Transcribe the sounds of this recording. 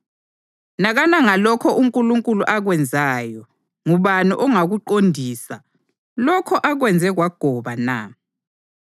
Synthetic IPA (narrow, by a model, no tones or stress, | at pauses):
naɣanaŋalɔkʰɔʔuŋkʼuluŋkʼuluʔaɣwɛnd͡zʱaːjɔ | ŋuβaniʔɔŋaɣuǃondʱiːsa | lɔkʰɔʔaɣwɛnd͡zʱɛɣwaɡ̥ʱɔβana̰